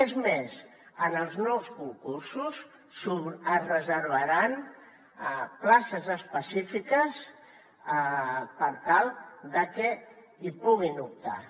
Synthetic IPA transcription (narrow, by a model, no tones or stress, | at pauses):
ezmez | ənəlˠznɔwskuŋkuɾsus | suəzrəzəɾβəɾan | plasəzəspəsifikəs | pəɾt̪alˠd̪əkɛ | ipuɣinup̚t̪a̰